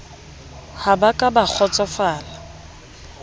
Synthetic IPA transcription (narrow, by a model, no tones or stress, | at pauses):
habakʼabak͡xʰɔt͡sʼɔfaːla